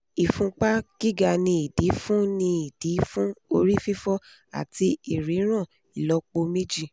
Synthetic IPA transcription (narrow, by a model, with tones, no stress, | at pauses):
i˨fũ˧k͡pa˦ɡ̥i˦ɡa˧˨nĩ˧˦i˨di˨˦fũ˦nĩ˧i˨d̥i˨˦fũ˦o˧ɾi˦fi˦fɔ˦ | a̰˨ti˧i˨ɾi˨˦ɾ̃ã˦˨ | i˨lɔ˧˦k͡po˧me˦d͡ʒi˦